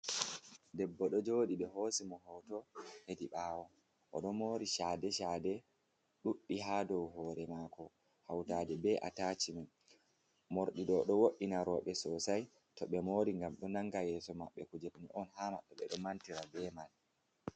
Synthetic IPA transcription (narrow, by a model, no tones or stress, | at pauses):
dɛbːɔɗɔd͡ʒoːɗiɓɛɦoːsimɔɦɔtɔhediɓaːwɔ | ʔɔɗɔmoːɾiʃadɛʃaːdɛ | ɗuɗːiɦadɔwɦɔːɾɛmaːkɔ | hawtaːdɛbɛʔa̰taːt͡ʃimɛ | moɾɗiɗɔɗɔwoɗːinaɾɔɓɛsɔsaj | tɔɓɛmoːɾiŋɡamɗɔnaŋːɡajɛsɔmaɓːɛkud͡ʒeɾniʔɔnhama̰ɓːɛɓɛɗɔmantiɾabɛmal